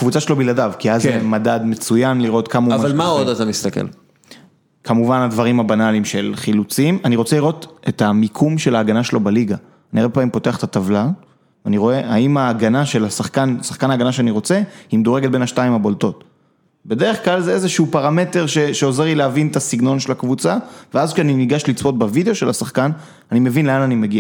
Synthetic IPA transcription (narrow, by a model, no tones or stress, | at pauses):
kvut͡saʃelobiladavkiazemadad̪me̞t͡sujanliʁo̞t̪kamaumvalmaodat̪amist̪akḛl | kamuvanadvaʁimabanalimʃelχilut͡simaniʁot͡seliʁo̞tetamikʰumʃelaːɡanaʃelo̞baliɡa | aniaʁbepaːmimpo̞te̞aχe̥t̪at̪avlal | veaniʁo̞e̞aimaːɡanaʃe̞lasaχkansaχkanaːɡanaʃeaniʁo̞t͡sehimd̪oʁeɡet̚be̞naʃtaimabo̞lto̞t | be̞deʁeχklalzeezeʃuupaʁame̞te̞ʁʃe̞ʃeo̞ze̞lileavintasiɡno̞nʃelakvut͡saveazkʃeaniniɡaʃlit͡sbo̞t̚bavideo̞ʃe̞lasaχkan | anime̞vinleananimeɡia